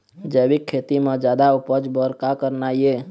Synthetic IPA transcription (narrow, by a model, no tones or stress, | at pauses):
d͡ʒəbikʰːet̪imẽd͡ʒad̪aupəd͡ʒbəɾkakəɾnaje